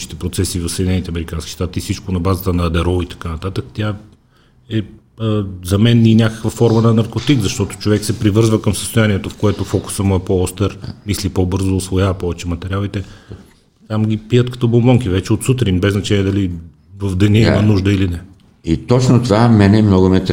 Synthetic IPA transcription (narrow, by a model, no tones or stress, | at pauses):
ʃi̥t̪ɛpɾot̪sɛsiːvɐfsed̪inɛnit̪ɛɐmɛɾikanski̥ʃt̪at̪iːsit͡ʃkonɐbazət̪ənɐːd̪ɛɾɔit̪ɐ̥kanɐt̪at̪əkt̪ʲa | ɛ | zɐmɛninʲakə̥kvəfɔɾmənɐnɐɾkot̪ikzɐʃt̪ɔt̪o̥t͡ʃovɛksɛpɾivɤɾzvəkəmsə̥st̪oʊjaniɛt̪ofkoɛt̪ofɔkʊ̥səmʊɛpɔɔst̪ɛɾmislipobɤɾzoːsvojavɐpɔvɛt͡ʃɛmɐt̪ɛɾialˠit̪ɛ | t̪amɡʲipijət̪kɐ̥t̪ɔbombɔŋk̟ivɛt͡ʃɛot̪sut̪ɾinbɛznɐt͡ʃɛnʲiɛd̪ɐli | vəvd̪ɐniimənuʒd̪əilinɛ | it̪ɔt͡ʃnot̪ovamɛnɛmnɔɡomɛt̪